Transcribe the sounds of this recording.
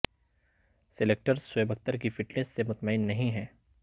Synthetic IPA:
sɪleːk̚ʈəɾsʊeːbɐk̚t̪əɾk̬ifɪʈnesːemʊt̪məɪnːɐɦĩɦɛː

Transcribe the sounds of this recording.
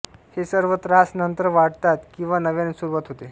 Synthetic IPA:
hesəɾʋət̪ɾasnənt̪ɾəʋaɽt̪at̪kĩw̃ʋanəʋjanisuɾʋat̪ɦot̪e

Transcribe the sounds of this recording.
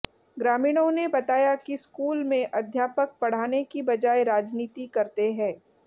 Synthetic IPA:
ɡɾaːmiːɽ̃õnebɐt̪aːjakiskuːlmẽʔɐd̪ʱjaːpək̚pɐɽ̤aːnekibɐd͡ʒaːeɾaːd͡ʒniːt̪ikɐɾt̪eɦɛ̃ː

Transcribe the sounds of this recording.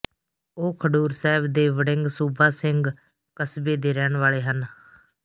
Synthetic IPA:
oːkʰəɖuːɾsɛːbd̪eːʋəɽɪŋɡsuːbaːsɪŋɡ | kəsbeːd̪eːɾɛːnʋaːɭeːɦən

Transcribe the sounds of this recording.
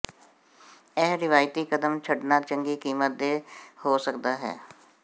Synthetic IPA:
ɛɦɾɪʋaːjt̪iːkəd̪əmt͡ʃʰəɖnaːt͡ʃəŋɡiːkiːmət̪̚d̪eːhoːsəkd̪aːɦɛ̰ː

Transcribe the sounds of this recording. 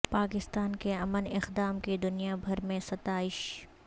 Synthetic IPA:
paːkɪst̪aːnkeɐmənɪqd̪aːmked̪ʊnijabʱɐɾmẽsɐt̪aːɪʃ

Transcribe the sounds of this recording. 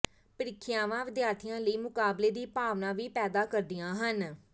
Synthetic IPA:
pəɾɪkʰːɪjaːʋãːʋɪd̪jaːɾt̪ʰijãːləiːmʊkaːbleːd̪iːpaːʋnãːʋiːpɛːd̪aːkəɾd̪ɪjãːɦən

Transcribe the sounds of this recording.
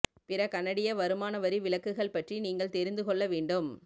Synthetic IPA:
pɪɾɐkɐnːɐɽɪjɐʋɐɾɯmaːnɐʋɐɾiʋɪlɐkːɯɣɐɭpɐʈriniːŋɡɐɭt̪ɛɾɪnd̪ɯkɔɭːɐʋeːɳɖɯm

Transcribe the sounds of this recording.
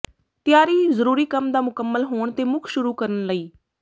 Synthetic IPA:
t̪ɪjaːɾiːzəɾuːɾiːkəmd̪aːmʊkəmːəlɦoːɳt̪eːmʊkʰʃʊɾuːkəɾənləiː

